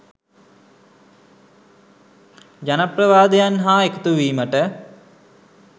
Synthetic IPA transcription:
d͡ʒanaprɐʋaːd̪ejanɦaːekut̪uʋiːməʈə

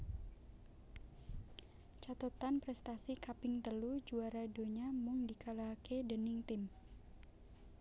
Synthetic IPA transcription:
t͡ʃat̪ət̪anpɾɛst̪asikapɪŋt̪əlud͡ʒuaɾadoɲamʊŋdikalakedənɪŋt̪ɪm

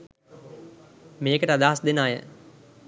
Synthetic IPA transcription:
meːkəʈəad̪aːɦasd̪enaːjə̰

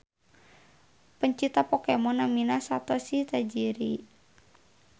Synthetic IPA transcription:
pəɲt͡ʃit̪apɔkemɔnaminasat̪ɔsiht̪ad͡ʒiɾi

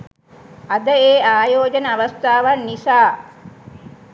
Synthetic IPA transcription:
ɐd̪əeːaːjoːd͡ʒənəaʋɐst̪ʰaːʋanːisaː

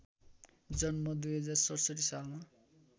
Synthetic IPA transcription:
d͡zʌnmʌd̪ujɦʌd͡zarsʌʈsʌʈisalma

